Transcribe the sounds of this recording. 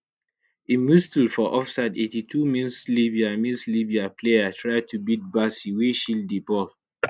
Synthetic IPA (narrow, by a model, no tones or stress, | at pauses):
ĩmistulfɔʔɔfsadetitʰumĩnsliviamĩnslibiapʰleatʰɹaɪd̚tʰubid̚basiweʃildibɔl